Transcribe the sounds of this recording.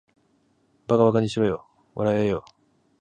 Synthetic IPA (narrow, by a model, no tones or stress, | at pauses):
baɡaβakaɲiɕiɾojo | βa̰ɾajajo